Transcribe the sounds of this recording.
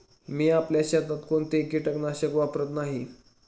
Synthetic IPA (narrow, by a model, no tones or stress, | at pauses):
miːapljaɕat̪at̪koɳt̪eekiʈəknaɕəkʋapɾət̪naɦi